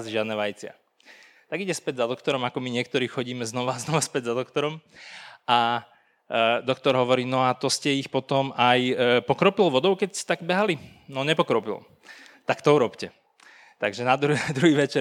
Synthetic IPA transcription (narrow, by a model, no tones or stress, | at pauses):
zʒɪad̪nɛːʋajit͡sɪa̰ | t̪aɡiɟɛspɛɟzad̪ɔkt̪ɔɾɔmakɔmiɲɪɛkt̪ɔɾiːxɔɟiːmɛznɔʋaznɔʋaspɛɟzad̪ɔkt̪ɔɾɔmʔa | d̪ɔkt̪ɔɾɦɔʋɔɾiːnɔat̪ɔscɛixpɔt̪ɔmajpɔkɾɔpilʋɔd̪ɔʊkɛcɛ̥t̪aɡbɛɦalinɔɲɛpɔkɾɔpḭlˠ | t̪akt̪ɔuɾɔpcɛ | t̪aɡʒɛnad̪ɾud̪ɾuɦiːʋɛt͡ʃɛ